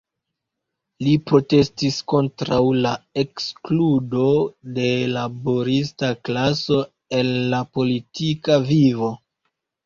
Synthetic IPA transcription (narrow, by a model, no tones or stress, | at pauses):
lipɾo̞te̞stisko̞ntɾawlaekskludo̞de̞laboɾis̬taklaso̞ | e̞nːapo̞litʰikavivo̞